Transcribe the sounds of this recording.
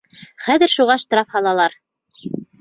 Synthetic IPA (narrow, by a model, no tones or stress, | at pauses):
χæðɘɾʃuʁɑʃt̪ɾɑfhɑlˠɑlˠɑɾ